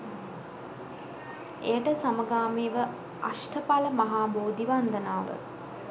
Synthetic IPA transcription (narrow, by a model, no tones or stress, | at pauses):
ḛjəʈəsaməɡaːmiːʋə | aʂʈʰəpaləmaɦaːboːd̪iʋand̪ənaːʋə̰